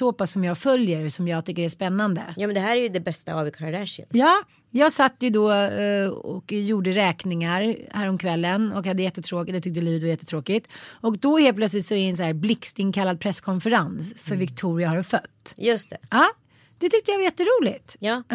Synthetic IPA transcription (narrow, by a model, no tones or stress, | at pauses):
sɔpasːɔmjɑːɡfœljəɾsɔmjɑːɡ̚t̪ʰʏkːəɾæspɛnːand̪ə̰jɑːmɛnd̪ɛɦæːɾæɾjɵd̪ɛbɛst̪a̰avɪkʰaɾlɛʂə̰njɑː | jɑːɡsat̪ːjɵd̪ɔ | ɔ̰kjuːɖəɾɛːknɪŋaɾhæːɾɔmkʰvɛlːənɔkhad̪ːəjɛt̪ːət̪ʰɾoːkɪt̪d̪ɛt̪ʰʏk̚t̪əliːvət̪vajɛt̪ːət̪ʰɾoːkɪt̪ɔkd̪ɔheːlplœt̪slɪt̪sɔæɾɛːns̬ɔhæːɾblɪkst̪ɪŋkʰalːad̪̚pʰɾɛskʰɔnfɛɾansfœɾvɪkt̪ʰuːɾɪahaɾfœt̪ːjɵst̪ɛ̰ɑː | d̪̥ɛt̪ʰʏk̚t̪əjavajɛt̪ːəɾuːlɪt̪jː